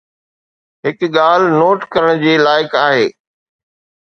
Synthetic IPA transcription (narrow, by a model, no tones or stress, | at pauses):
ɦɪkɠaːlnoːʈkɐɾəɽ̃d͡ʑiːlaːɪkaːɦeː